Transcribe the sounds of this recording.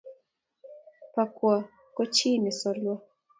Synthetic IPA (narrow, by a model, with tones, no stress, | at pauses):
pa˨kwa˨ | kɔ˦t͡ʃi˦nɪ˨sɔ˨lwa˦